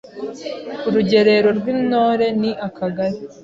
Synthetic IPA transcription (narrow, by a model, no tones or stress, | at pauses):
uɾuɟe̞ɾe̞ɾo̞ɾɡwiːno̞ːɾe̞niʔakaɡaɾi